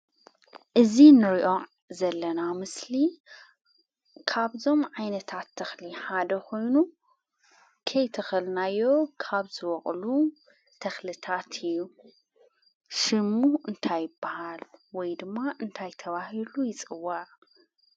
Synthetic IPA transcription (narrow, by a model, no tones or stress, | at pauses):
ʔɨzinɨɾiʔo̞ | zɐlːɐnamɨsli | kʰaβzo̞mʕajnɐt̪ʰat̪ʰːɐxliħad̪ɐkʰo̞jnu | kʰɐjt̪ʰɨxɨlnajːo̞kʰaβzɨwɔχʼlu | t̪ʰɐxlɨt̪ʰat̪ʰɨjːu | ʃɨmːuʔɨnt̪ʰajːɪbːahalwɔjd̪ɨmːaʔɨnt̪ʰajt̪ʰɐβahilujɪt͡sʼɨwːaʕ